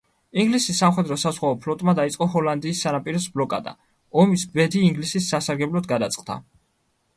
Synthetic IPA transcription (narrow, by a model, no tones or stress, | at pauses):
iŋɡlisisːamχɛd̪ɾɔsazʁwaɔpʰlɔt̪ʼmad̪ait̪sʼqʼɔɦɔland̪iːsːanapʼiɾɔsblˠɔkʼa̰d̪a̰ | ɔmisbɛd̪iːŋɡlisisːasaɾɡɛblˠɔd̪ɡad̪at̪sʼqʼd̪a̰